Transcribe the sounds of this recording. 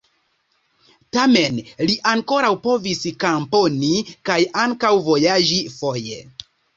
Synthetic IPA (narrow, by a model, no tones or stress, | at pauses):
tame̞nliʔaŋko̞ɾawpo̞viskampo̞nikajaŋkawvo̞jad͡ʒifo̞je̞̰